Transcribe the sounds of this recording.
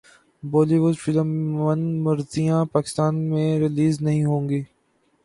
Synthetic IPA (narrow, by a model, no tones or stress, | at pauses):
boːliʋʊɖfɪləmːənmɐɾzijãpaːkɪ̥st̪aːnmẽɾɪliːznɐɦĩɦõːŋɡiː